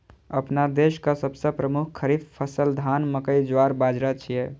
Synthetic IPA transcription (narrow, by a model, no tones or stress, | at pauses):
ə̰pnad̪eʃkasəbsəpɾəmukʰkʰːəɾifʰpʰəsəld̪ʱanməkəjd͡ʒwaɾbad͡ʒɾat͡ʃʰije